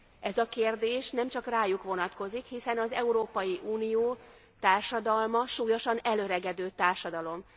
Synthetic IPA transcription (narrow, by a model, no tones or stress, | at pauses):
ʔɛzɒkeːrd̪eːʃnɛmt͡ʃɒkraːjukʋo̞nɒt̪ko̞zikhisɛnɒzɛuɾoːpɒjiʔuːnijoː | t̪aːrʃɒd̪ɒlmɒʃuːjo̞ʃɒnɛlø̞ɾɛɡɛd̪øːt̪aːrʃɒd̪ɒlo̞m